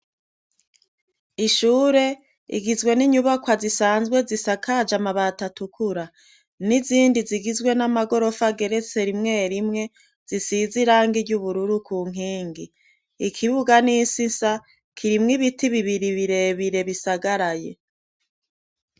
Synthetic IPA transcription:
iʃuːɾe̞ | ḭɡizɡwe̞niɲuβakwazisaːnzɡwe̞zisakʰad͡ʒamaβatatukʰuɾa | niziːndiziɡizɡwe̞namaɡo̞ɾo̞faɡe̞ɾe̞t͡se̞ɾimŋe̞ːɾimŋe̞ | z̥isiziɾaːŋɡiɟuβuɾuɾukuːŋ̥iːŋɡi | ikʰiβuɡaniːsisa | kʰiɾimŋiβitiβiβiɾiβiɾe̞βiɾe̞βisaɡaɾaje̞̰

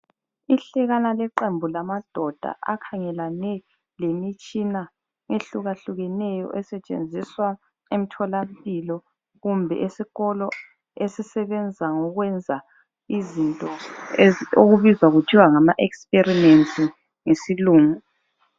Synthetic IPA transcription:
iɬɛɣanalɛǃembʱulamad̥ʱɔd̥ʱa̰ʔa̰kʰaŋɛlanɛ | lemit͡ʃʼina | ŋeɬuɣaɬuɣɛnɛjɔ̰ʔɛsɛt͡ʃʼḛnd͡zʱiswa | em̩tʰɔlampʼilɔ | ɣumbʱɛ̰ʔesiɣɔlɔ | esisɛβɛnd͡zʱaŋɔɣwɛnd͡zʱa | izintʼɔ | oɣuβizwaɣutʰiwaŋamaʔɛkspʼerimensʼi | ŋesiluːŋu

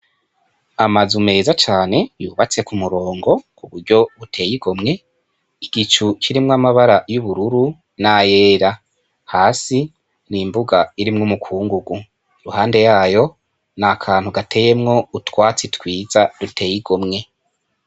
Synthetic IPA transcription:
amazume̞ːzat͡ʃaːne̞juːβat͡se̞kumuɾo̞ːŋɡo̞kuβuɾɟo̞βutʰe̞ːjiɡ̥o̞mŋe̞ | iɡ̥it͡ʃut͡ʃiɾimŋamaβaɾajuβuɾuɾu | najeːɾa | haːsi | nimbuɡaiɾimŋumukʰuːŋɡuɡu | ɾuhaːnde̞jaːjo̞ | nakʰaːnhuɡatʰe̞ːje̞mŋo̞utwaːt͡sitwiːzadutʰe̞ːjiɡomŋe̞

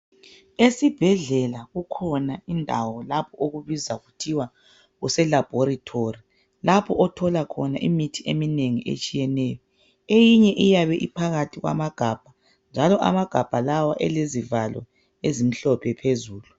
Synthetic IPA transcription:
esib̥ʱɛɮɛlaɣukʰɔnaindʱawɔlapʰɔʔoɣuβizaɣutʰiwa | ɣusɛlab̥ʱoɾitʰori | lapʰɔʔɔtʰɔlakʰɔnaʔḭmitʰiʔemineŋiʔḛt͡ʃʼijɛnɛːjɔ | ejiɲɛʔijaβɛʔipʰaɣatʰiɣwa̰maɡ̥ʱab̥ʱa | nd͡ʒʱalɔʔa̰maɡ̥ʱab̥ʱalawaʔɛ̰lezivalɔ̰ | ezim̩ɬɔpʰɛpʰezuːlu

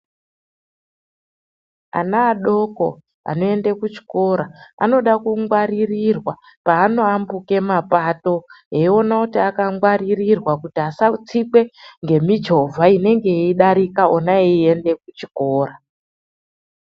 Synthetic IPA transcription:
a̰naːɗo̞ko̞̰ | a̰no̞e̞nde̞kut͡ʃi̥ko̞ɾaa̰no̞ɗakuŋɡwaɾirirwa | paːno̞ambuke̞mapato̞ɦeio̞nakutiakaŋɡwaɾirirwakutiasat͡sikwe̞ŋɡe̞mid͡ʒovʱaine̞ŋɡe̞eiɗaɾikaonaee̞nde̞kut͡ʃiko̞ːɾa

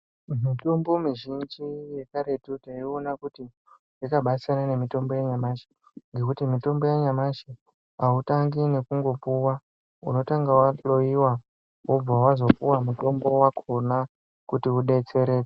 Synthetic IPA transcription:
mitumbo̞miʒind͡ʒije̞kaɾe̞tutaionakuti | jikaɓasanane̞mito̞mbo̞jaɲamaʃi̥ | ŋɡe̞kutimito̞mbo̞jaɲamaʃi | autaŋɡine̞kuŋɡo̞puwa | ṵno̞taŋɡawalo̞iwa | wob͡vawazo̞puwamuto̞mbo̞wakʰona | kutiuɗet͡se̞ɾe̞ːe

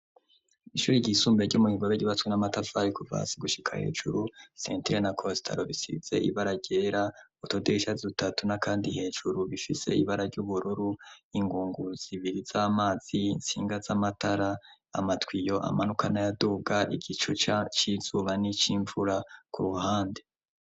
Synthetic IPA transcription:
iʃuːɾiɟiːsuːmbeɾɟumuhiɡoβeɟiβatwinamatafaɾikuva̰siɡuʃikʰa̰he̞̰ːʒṵɾusḛːntiɾenakʰosi̥tʰa̰ɾoβisḭz̥e̞̰ḭβaɾaɟe̞ɾautodiiʃazutatunakaːndihe̞ːʒuɾuβifise̞̰iβaɾaɾɟuβuɾuɾuiŋɡuːŋɡuz̥iβiɾizaːmaːz̥insḭːŋɡazamataɾa | a̰matwijo̞ʔa̰manukʰanajaduːɡaʔḭɡit͡ʃut͡ʃat͡ʃizuβanit͡ʃiːɱvuɾakuɾuhaːnde̞

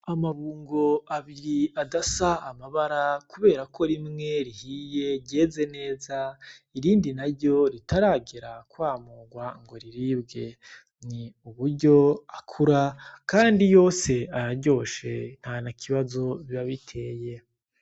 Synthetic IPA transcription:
amaβuːŋɡo̞aβiɾiadasaːmaβaɾakuβe̞ːɾakʰo̞ɾimŋe̞ɾihije̞ɟe̞ːze̞ne̞ːzaiɾiːndinaɾɟo̞ɾitʰaɾaːɡeɾakwaːmuːɡwaŋɡo̞ɾiɾibɡe̞ | niuβuɾɟo̞akʰuɾakaːndijo̞ːse̞aɾaɾɟo̞ːʃe̞n̥hanakʰiβazo̞βiβaβitʰe̞ːje̞

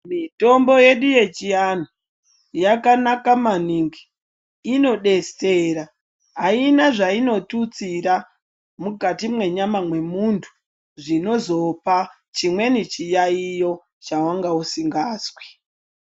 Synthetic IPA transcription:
mito̞mbo̞je̞ɗuje̞t͡ʃian̤u | jakanakamaniŋɡiː | no̞ɗe̞steːɾa | ɦainaʐaino̞tut͡siɾa | muɡʱatimwe̞ɲamamwe̞muntʰu̥ | ʐino̞zo̞pa | t͡ʃimwe̞nit͡ʃijaijo̞ | t͡ʃawaŋɡausiŋɡaːzwi̥

